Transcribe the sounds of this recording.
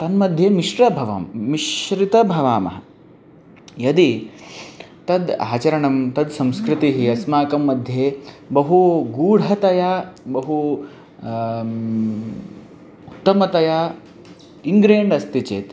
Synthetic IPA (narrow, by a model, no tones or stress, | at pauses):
t̪ɐnmɐd̪ʱjeːmiʂɾɐbʱɐʋɐ̰mːiʃɾit̪ɐbʱɐʋaːmɐ̰ɦɐ | jɐd̪i | t̪ɐd̪a̰ːt͡ʃɐɾɐɳɐmt̪ɐd̪sɐ̃mskɾit̪iɦiɐsmaːkɐmːɐd̪ʱjeːbɐɦuɡuːɽɐt̪ɐjabɐɦu | ut̪ːɐmɐt̪ɐjaː | iŋɡɾeːɳɖɐst̪it͡ʃḛːt̪